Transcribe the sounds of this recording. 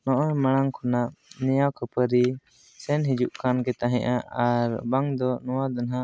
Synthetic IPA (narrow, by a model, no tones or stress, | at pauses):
nɔʔɔjmaɽ̃aŋkʰɔnaʔnɛjawkəpəɾi | sɛnɦid͡ʒuʔkankɛt̪aɦɛ̃ʔaaɾbaŋd̪ɔnɔwad̪anɦaʔ